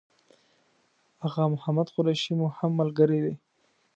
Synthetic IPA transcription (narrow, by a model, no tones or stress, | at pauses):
haɣɑmʊhamad̪xʊɾaʃimohamːalɡəɾed̪e